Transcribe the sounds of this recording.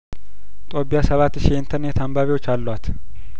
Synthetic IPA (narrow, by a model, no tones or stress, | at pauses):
t̪ʼo̞pːijasəβat̪ːʃiɪnt̪ʰəɾnet̪ambaβiwo̞t͡ʃːalːwat̪